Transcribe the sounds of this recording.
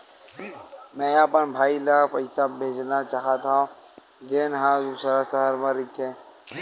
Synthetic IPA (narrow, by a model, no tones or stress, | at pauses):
mɛ̃ːəpənbʱaːilapəɪsabʱeːd͡ʒnat͡ʃaːɦat̪ʰaõ | d͡ʒeːnɦãd̪uːsɾasəɦəɾmãɾɪkʰẽː